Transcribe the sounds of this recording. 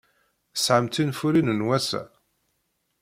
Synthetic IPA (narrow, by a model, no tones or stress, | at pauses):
sʕəmt̪infuɾinənwæsæ̰